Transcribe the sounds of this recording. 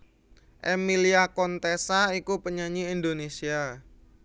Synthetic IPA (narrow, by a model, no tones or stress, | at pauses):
ʔemiliakɔnt̪esaikupəɲaɲiind̪onesia